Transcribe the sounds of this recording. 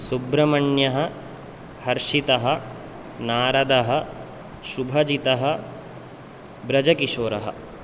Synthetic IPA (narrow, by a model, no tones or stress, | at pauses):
subɾɐmɐɳjɐɦɐ̆ | hɐɾʂit̪ɐɦɐ | naːɾɐd̪ɐɦɐ̆ | ʃubʱɐd͡ʒit̪ɐɦɐ | bɾɐd͡ʒɐkiʃoːɾɐɦɐ̰̆